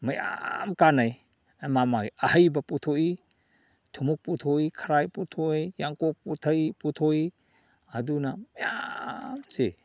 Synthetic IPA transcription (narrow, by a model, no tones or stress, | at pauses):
maja̰mkanaj | amamajahəjbaputʰoi | tʰumuk̚putʰoikʰaɾajputʰoijjaŋkok̚putʰajputʰoi | adunamaja̰mse